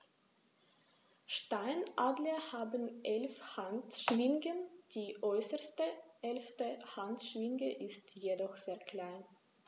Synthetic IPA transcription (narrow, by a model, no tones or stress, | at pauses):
ʃtaɪnʔaːɡləhaːbənʔɛlfhantʃmɪŋɡənd̥iːʔɔʏsəstəʔɛlftəhantʃvɪŋɡəʔɪstjedɔχz̥eːɐkl̥aɪn